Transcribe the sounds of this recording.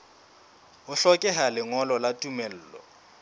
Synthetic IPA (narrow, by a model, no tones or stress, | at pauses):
ʊɬɔkʼɛɦalɪŋɔlɔlatʼumɛl̩ːlɔ̰